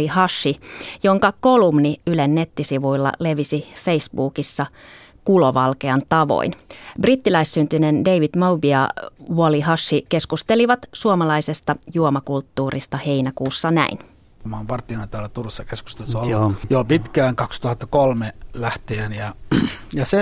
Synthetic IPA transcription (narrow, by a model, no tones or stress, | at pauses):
ihɑʃːijo̞ŋkɑko̞lumniylenːe̞t̪ːisiʋuilːɑ̰le̞ʋisife̞isbuːkisːɑ | kulo̞ʋɑlke̞ɑnt̪ɑʋo̰inbrit̪ːilæisːynt̪ynende̞iʋid̥̪mowbiɑʋuoliɦɑʃːike̞skust̪e̞liʋɑt̪suomɑlɑise̞st̪ɑjuomɑkult̪ːuːrist̪ɑhe̞inækuːsːɑnæ̰in | mɑːmpɑrt̪ːˑinɑnt̪æːlːæt̪urusːɑkesku̥st̪elsoljoːpit̪kæːŋkɑkst̪uhɑt̪ːɑ̥kolmelæht̪ienjɑjɑse